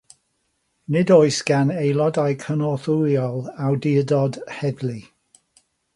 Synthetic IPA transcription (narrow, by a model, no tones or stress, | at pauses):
nɪdojsɡ̥anejlˠɔdajkʰənɔθuljɔlˠawdiədɔdhɛdli